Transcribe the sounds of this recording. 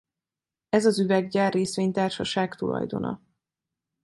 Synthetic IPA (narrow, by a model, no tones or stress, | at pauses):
ɛzɒzyvɛɡɟaːrːeːsʋeːɲt̪aːrʃɒʃaːkt̪ulɒ̰jd̪o̞̰nɒ̰